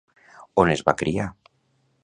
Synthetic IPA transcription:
onezβa̰kɾia

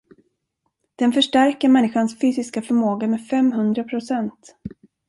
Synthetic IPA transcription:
d̪̥ɛnfœʂʈæɾkəɾmɛnːɪɧansfyːsɪskafœɾmoːɡamɛfɛmɦɵnd̪ɾapʰɾʊsɛnt̪

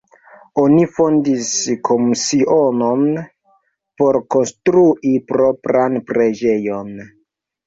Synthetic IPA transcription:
onifondiskʰo̞musiʔonon | po̞ɾko̞nstɾuʔipɾo̞pɾanpɾe̞d͡ʒe̞jo̞n

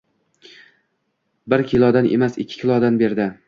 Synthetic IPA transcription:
bɪɾkʲʰɪlˠɒd̪anʔḛmasɪ̰kʲʰːɪ̥kʲʰɪlˠɒd̪anbe̞ɾd̪ɪ

